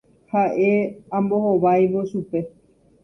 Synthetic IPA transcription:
haʔeãmboɦoʋajʋoʃupe̞

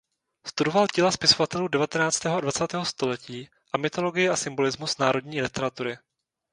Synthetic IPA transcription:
st̪udo̞valcɪlaspɪso̞vat̪ɛluːdɛvat̪ɛnaːt͡st̪ɛːɦoadvat͡saːt̪ɛːɦo̞st̪o̞lɛciː | ʔamɪt̪o̞lo̞ɡɪjɪʔasɪmbo̞lɪzmusnaːɾo̞dɲiːlɪt̪ɛɾat̪uɾɪ

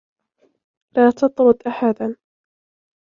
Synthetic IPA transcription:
laːt̪ɑt̪ˤɾʊd̪ʔaħad̪an

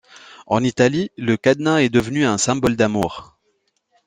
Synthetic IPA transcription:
ɑ̰̃nit̪aliləkad̪naɛd̪əvnyɛ̃sɛ̃bɔld̪amuːʁ

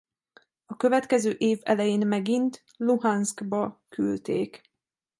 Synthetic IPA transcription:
ɒkø̞vɛt̪kɛzøːʔeːvɛ̰lɛjeːnmɛɡint̪ | luɦansɡbɒkʰylt̪eːk

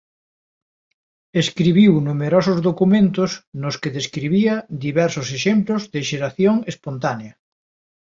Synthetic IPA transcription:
eskɾiβ̞iwnumeɾosʊzðokumẽnt̪ʊsnʊskeðeskɾiβiɐðiβɛɾsoseʃemplozðeʃeɾaθjoŋespont̪aneɐ

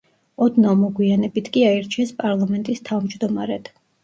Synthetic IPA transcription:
ɔd̪namɔɡwianɛbit̪ʰkʼiaɛɾt͡ʃʰiɛspʼaɾlˠamɛnt̪ʼist̪ʰavmd͡ʒd̪ɔmaɾɛd̪̥ʰ

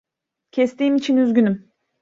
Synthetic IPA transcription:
cʰɛst̪iːmit͡ʃʰinyzɟʲynym

